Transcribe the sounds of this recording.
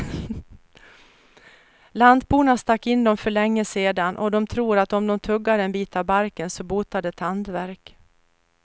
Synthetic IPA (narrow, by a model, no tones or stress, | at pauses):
land̪buːɳast̪akːɪnːd̪ɔmfœɭɛŋːəseːd̪anʔɔd̪ɔmt̪ʰɾuːɾat̪ɔmd̪ɔmt̪ʰɵɡːad̪əɛnbiːt̪avbaɾkənsɔbuːt̪ad̪əɛt̪hand̪væɾk